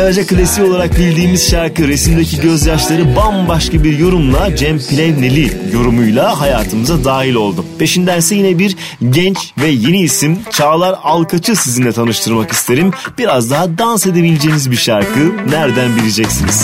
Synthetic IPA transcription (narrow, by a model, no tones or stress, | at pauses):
eɾed͡ʒakɯlʲesiolˠaɾak̚bilʲd̪iːmiz̥ʃaɾkɯɾe̞simd̪ecʰiɟø̞zjat͡ʃlˠaɾɯbambaʃkabiɾjo̞ɾumlˠad͡ʒɛmpʰilʲɛvnelʲijo̞ɾumujlˠaɦajaːt̪ʰɯmɯzad̪aːɦilʲo̞lˠd̪upʰe̞ʃind̪ænsɛjinɛbiɾ | ɟɛnt͡ʃvɛje̞niːsimt͡ʃʰaːlˠaɾalˠkʰat͡ʃʰɯsizinlʲɛt̪ʰanɯʃt̪ʰɯɾmakist̪ʰe̞ɾimb̥iɾazd̪aɦad̪anse̞d̪ebilʲed͡ʒe̞jinizbiʃaɾkʰɯnæɾd̪ænbiɾid͡ʒɛcsiniz̥